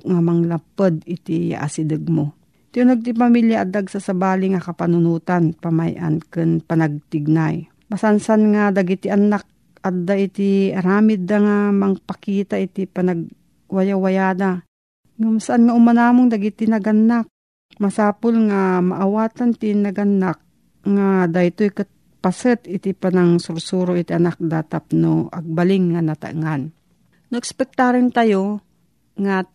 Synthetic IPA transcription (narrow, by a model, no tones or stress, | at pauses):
ŋamɐŋlapəd̪ɪt̪ɪja̰ʔa̰sɪd̪ɨɡ̚mo | t̪ɪʊnaɡ̚t̪̬ipamiljaʔad̪aɡsasabaːlɪŋakɐpanʊnuːt̪anpama̰jʔa̰nkɨnpɐnɐɡ̚t̪ɪɡ̚naj | masansanŋad̪ɐɡit̪ɪʔɐnːak̚ | ʔad̪ːaʔit̪iɐɾaːmɪd̪aŋamɐŋpakiːt̪aʔit̪ipanɐɡ̚ | wajawajaːd̪a | ŋamsaʔanŋaʔʊmanaːmoŋd̪aɡit̪ɪnɐɡanːak̚ | mɐsaːpolŋamaʔawaːt̪ant̪inɐɡanːak̚ | ŋad̪ajt̪ojkat̪̚ | pasət̪ɪt̪ɪpanɐŋsʊɾsuɾoʔɪt̪iʔanak̚d̪at̪ap̚noʔɐɡ̚balɪŋːanɐt̪a̰ʔŋan | nʊʔɛkspɛk̚t̪aɾɪnt̪ajo | ŋa